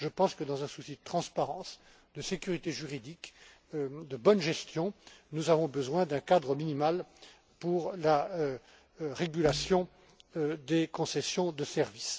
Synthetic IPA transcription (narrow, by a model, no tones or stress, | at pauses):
ʒəpɑ̃skəd̪ɑ̃zɛ̃susid̪ət̪χɑ̃spaʁɑ̃s | d̪əsekʲyʁit̪eʒyʁid̪ik | d̪əbɔnʒɛst̪jɔ̃nuzavɔ̃bəzwɛ̃d̪ɛ̃kad̪ʁəminimal | puʁla | ʁeɡʲylasjɔ̃ | d̪ekɔ̃sɛsjɔ̃d̪əsɛʁvis